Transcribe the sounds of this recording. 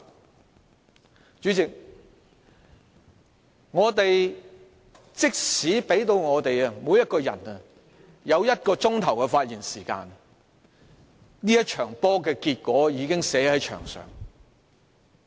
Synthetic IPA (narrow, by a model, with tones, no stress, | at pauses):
t͡ʃyː˨˥t͡sɪ˨k̚ | ŋɔː˨˧t̪e˨j | t͡sɪ˥k̚siː˨˥pe˨˥jt̪o˧wŋɔː˨˧t̪e˨jɐ˧muː˨˧jɐ˥t̚kɔː˧jɐ̰˨˩nɐ˨ | jɐ˨˧wjɐ˥t̚kɔː˧t͡sʊ˥ŋt̪ʰɐ˨˩wkɛ˧faː˧t̚jiː˨˩nsiː˨˩ka̰ː˧n | niː˥jɐ˥t̚t͡ʃʰœː˨˩ŋp̪ɔː˥kɛː˧kiː˧t̚kʷɔː˨˥jiː˨˧kɪ˥ŋsɛː˨˥hɐ˨˥jt͡ʃʰœ̰ː˨˩ŋsœ̰ː˨˩ŋ